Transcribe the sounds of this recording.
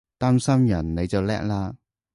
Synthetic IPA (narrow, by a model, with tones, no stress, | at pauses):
t̪aː˥msɐ˥mjɐ˨˩nne˨˧jt͡sɐ˨wlɛ̰ː˥k̚laː˧